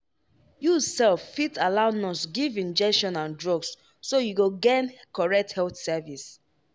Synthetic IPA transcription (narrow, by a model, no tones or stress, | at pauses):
jusɛlffitalaʊnɔ̃sɡivĩnd͡ʒɛkʃɔ̃nãndɹɔɡsː | ojuɡoɡẽnkɔɹɛk̚thɛlθsɛvis